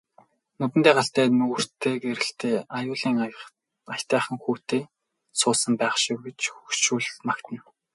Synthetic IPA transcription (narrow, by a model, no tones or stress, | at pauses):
nʊt̪ɘ̆nt̪eːɢaɬt̪æːnɵɣr̥t̪eːkeɾɘ̆ɬt̪eːajʊːɮiːŋ | ajt̪æːχə̆ŋxuːt̪eː | sʊːsə̆mpæːχʃɪ̆wɡet͡ɕxukʃuːɮmakt̪ə̆n